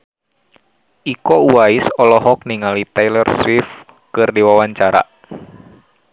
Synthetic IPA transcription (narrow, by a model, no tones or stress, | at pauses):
ʔikɔuwaisɔlɔɦɔk̚niŋalit̪ɛjlɛrswif | kɨrdiwawaɲt͡ʃaɾa̰